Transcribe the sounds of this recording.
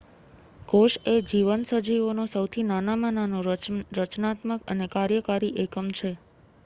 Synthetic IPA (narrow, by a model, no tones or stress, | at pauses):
koʃed͡ʒiʋənsəd͡ʒiʋonosəwt̪ʰinanamananoɾət͡ʃnat̪məkə̰nekaɾjəkaɾiʔekəmt͡ʃʰe